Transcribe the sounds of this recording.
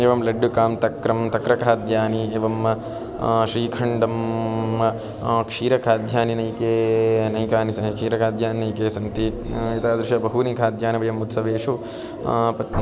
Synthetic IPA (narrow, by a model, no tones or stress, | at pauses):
eːʋɐmlɐɖːukaːmt̪ɐkɾɐmt̪ɐkɾɐkʰaːd̪jaːnieːʋɐmɐ | ʃɾiːkʰɐɳɖɐmɐ | kʂiːɾɐkʰaːd̪ʱjaːninɐjkeːnɐjkaːnisɐkʂiːɾɐkaːd̪ʱjaːninɐjkeːsɐnt̪iit̪aːd̪ɾɪʃɐbɐɦunikʰaːd̪ʱjaːnɐʋɐjɐmut̪sɐʋeːʂu | pɐt̪